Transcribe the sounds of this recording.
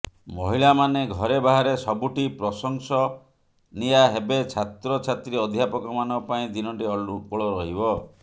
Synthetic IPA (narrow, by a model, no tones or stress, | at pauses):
mɔɦiɭamaneɡʱɔɾebaɦaɾesɔbuʈipɾɔsɔŋsɔ | nijaɦebet͡ʃʰat̪ɾɔt͡ʃʰat̪ɾiɔd̪ʱjapɔkɔmanɔpaĩd̪inɔʈiɔɭɔɾɔɦibɔ